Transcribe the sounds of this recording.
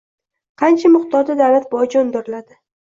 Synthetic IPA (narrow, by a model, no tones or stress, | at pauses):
qʰɑnt͡ʃʰamʊχt̪ɒɾd̪ad̪awlat̪̚bɒd͡ʒond̪ɪɾɪlad̪ɪ